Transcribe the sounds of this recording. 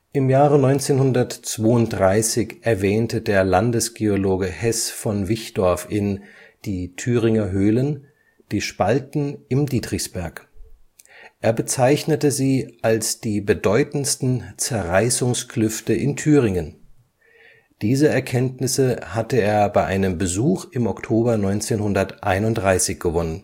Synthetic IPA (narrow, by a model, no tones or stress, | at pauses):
ʔɪmjaːʁənɔʏnt͡seːnhʊndɐtt͡sv̥oːʊnt̚d̥ʁaɪsɪçʔɛɐvɛːntədeːɐlandəsɡ̥eoloːɡəhɛsfɔnvɪçd̥ɔɐfɪnd̥iːtʰyːʁɪŋɐɦøːlən | d̥iːʃpaltn̩ɪmdiːdʁɪçsb̥ɛɐk | ʔeːɐbət͡saɪçnətəziːʔalsd̥iːbədɔʏtn̩stn̩t͡sɛɐʁaɪsʊŋskʰlʏftəʔɪntʰyːʁɪŋən | d̥iːzəɛɐkʰɛntnɪsəhatəeːɐbaɪʔaɪnəmbəzuːχɪmɔktʰoːbɐnɔʏnt͡seːnhʊndɐtʔaɪnʊntd̥ʁaɪsɪçɡ̥əvɔnən